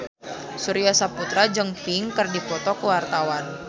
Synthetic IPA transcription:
suɾiasaput̪ɾad͡ʒɨŋpiŋkɨrdifɔt̪ɔkəwart̪awan

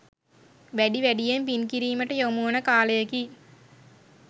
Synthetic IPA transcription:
ʋæɖiʋæɖijempinkiɾiːməʈəjomuənəkaːləjɐki

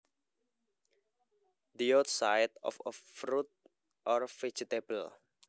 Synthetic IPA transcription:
d̪iɔt̪sajdɔ̰fəfɾut̪̚ | ʔɔrfed͡ʒit̪ebəl

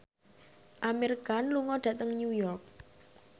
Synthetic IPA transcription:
ʔameɾikanluŋɔɖ̥ä̤t̪əŋnjujɔrk̚

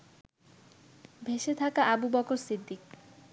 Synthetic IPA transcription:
bʱeʃet̪ʰakaʔabubɔkoɾsid̪ːik̚

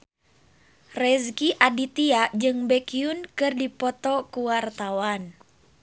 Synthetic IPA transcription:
rɛskiʔadit̪iad͡ʒɨŋbɛkiunkɨrdipɔt̪ɔkuwart̪awan

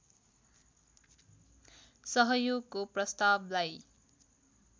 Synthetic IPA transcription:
sʌɦʌjoɡ̚koprʌst̪ablaj

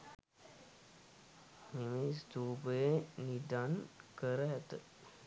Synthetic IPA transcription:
memesd̪uːbəjenidankəɾəɦæt̪ə

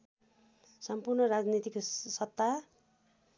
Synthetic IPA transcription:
sʌmpurnʌɾad͡znit̪ikosʌt̪ːa

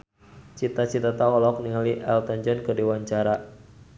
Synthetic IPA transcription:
t͡ʃit̪at͡ʃit̪at̪awɔlɔk̚niŋaliʔɛlt̪aɲd͡ʒɔnkərdiwaɲt͡ʃaɾa

